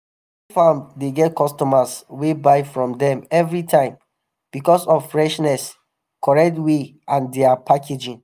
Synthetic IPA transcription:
fãʊ̃nddeɡɛt̚kɔstɔmaswebaɪfɹɔ̃mdɛ̃mɛvɹitʰãɪ̃m | b̥ikɔsɔvfɹɛʃnɛs | kɔɹɛk̚tweʔãndeapʰakʰed͡ʒĩŋ

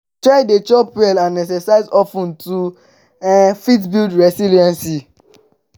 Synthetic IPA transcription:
tɹaɪdet͡ʃɔpɛlãnːɛsɛsaɪzɔfũntu | fitbildɹɛsiliɛ̃nsi

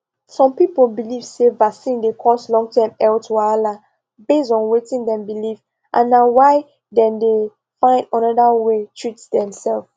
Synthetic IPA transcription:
sɔ̃mpipolbiliv̥sevaksĩndekʰɔslɔ̃ŋtʰãmɛltwala | besdɔ̃nwetĩŋdɛ̃mbiliv | ʔã̰nːawaɪ | dɛ̃nde | fãɪ̃ndə̃nɔdawetʰɹitdɛ̃msɛlf

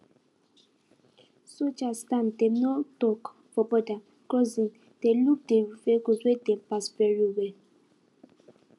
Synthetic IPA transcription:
sot͡ʃastantemnɔtɔk | fɔbɔda | kɔzĩn | teluk̚deifekoswedem̩paspɛɾiowe

